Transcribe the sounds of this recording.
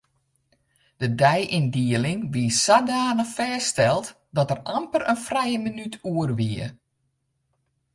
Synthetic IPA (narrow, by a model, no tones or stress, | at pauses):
d̥ədɛjʔindiəlɪŋʋiəsadaːnəfɛːstɛlˠt | dɔtərampərənfrɛjəmənytʰuərʋiə